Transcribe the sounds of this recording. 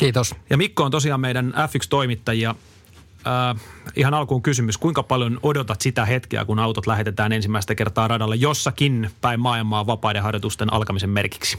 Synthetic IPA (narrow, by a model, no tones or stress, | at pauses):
kiːt̪osjɑmikːoːnt̪osiɑːmmeidænæfːykst̪o̞imit̪ːɑjiɑː | ihɑnɑlkuːŋkysymyskuiŋkɑpɑljonodot̪ɑt̪sit̪æɦet̪kḛæ̰kunɑwt̪ot̪læɦe̞t̪et̪æːnensimːæist̪ækert̪ɑːrɑdɑlːejosːɑkinpæimmɑːilmɑːʋɑpɑːjdeɦɑrjot̪ust̪enʔɑ̰lkɑmisemmerki̥ksi̥